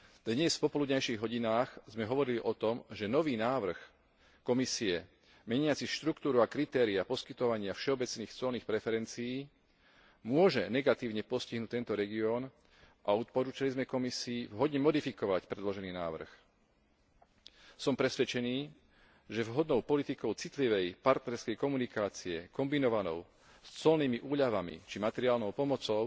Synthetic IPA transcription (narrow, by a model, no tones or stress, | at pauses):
d̪ɲɛsfpɔpɔlud̪ɲajʃiːɣɦɔɟinaːxzmɛɦɔʋɔɾiliʔɔt̪ɔmʒɛnɔʋiːnaːʋr̩x | kɔmisiɛ | mɛɲɪat͡siʃt̪ɾukt̪uːɾuakɾit̪ɛːɾiapɔskit̪ɔʋaɲɪafʃɛɔbɛt͡sniːxt͡sɔlniːxpɾɛfɛɾɛnt͡siiː | mʊɔʒɛnɛɡat̪iːʊɲɛpɔsciɦnuːc̚t̪ɛnt̪ɔɾɛɡiɔːn | ʔaɔt̪̚pɔɾuːt͡ʃalizmɛkɔmisiːvɦɔd̪ɲɛmɔd̪ifikɔʋacpɾɛd̪lɔʒɛniːnaːʋr̩x | sɔmpɾɛsʋɛt͡ʃɛniː | ʒɛvɦɔd̪nɔʊpɔlit̪ikɔʊt͡sit̪liʋɛjpaɾt̪nɛɾskɛjkɔmunikaːt͡siɛ̰kɔmbinɔʋanɔ̰ʊ | st͡sɔlniːmiʔuːʎaʋamḭt͡ʃimat̪ɛɾiaːlnɔʊpɔmɔt͡sɔʊ